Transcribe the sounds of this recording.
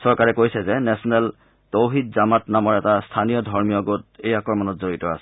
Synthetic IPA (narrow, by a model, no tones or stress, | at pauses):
sɔɹkaɹɛkojsɛzɛnɛsɔnɛl | towɦit̚zamatnamɔɹɛtastʰanijɔdʱɔɹmijɔɡot̚ejakɔɹmanɔtzoɹitɔa̰sɛ̥